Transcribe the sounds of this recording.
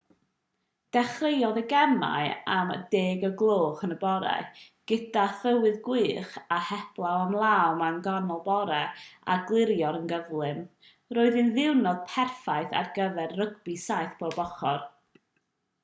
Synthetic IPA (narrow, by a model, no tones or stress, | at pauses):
d̥ɛχrejɔðəɡɛma̰ɨamə̰deːɡəɡlˠoːχənəbɔɾɛ̰ɡ̥əd̥aθəwɨðɡwɨːχahɛb̥lˠawamlˠawmanɡɔnɔlˠbɔɾɛa̰ɡlˠɪɾjɔɾənɡəvlˠɨm | roːɨðɨnðɪwnɔð̥pʰɛrfaɨθa̰rɡəvɛrrəɡbisaɨθb̥obɔχɔr